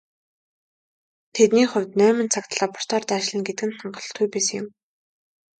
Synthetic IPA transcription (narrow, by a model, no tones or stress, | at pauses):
t̪ʰet̪niːχʊ̟wʲt̪nœːmɘ̆nt͡sʰakt̪ɮapɔ̥r̥t̪ʰɔːrt̪aːʃɮɘ̆nɡet̪ɘ̆kɘ̆nχaɴɢɞ̆ɮ̆t̪ujpesɘ̆ŋjʊ̆m